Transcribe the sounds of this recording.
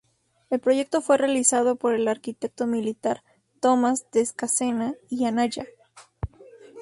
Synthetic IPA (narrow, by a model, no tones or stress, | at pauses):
e̞lpɾo̞ʝe̞k̚t̪o̞fwe̞realisað̞o̞po̞ɾe̞laɾkit̪e̞k̚t̪o̞milit̪aɾ | t̪o̞mazd̪eskase̞naianaʝa